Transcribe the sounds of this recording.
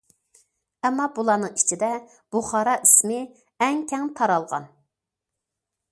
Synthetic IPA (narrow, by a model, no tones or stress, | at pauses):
ɛmːɑbulˠɑːnɨŋit͡ʃʰid̪ɛ | b̥uχɑɾɑʔismɪ | ɛŋkʲʰɛŋt̪ʰɑɾɑlˠʁɑ̰n